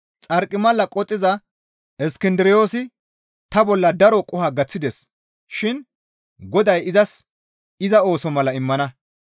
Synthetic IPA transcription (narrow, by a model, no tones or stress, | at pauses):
t͡sʼɐɾkʼːɪmɐlːɐkʼɔt̪ʼːɪzɐ | ɛskɪnd̪ɪɾɪjo̞ːsɪ | t̪ɐbɔlːɐd̪ɐɾɔkʼʊhɐɡɐt͡sːɪd̪ɛs | ʃɪn | ɡɔd̪ɐjɪzɐs | ɪzɐo̞ːsɔmɐlɐɪmːɐnɐ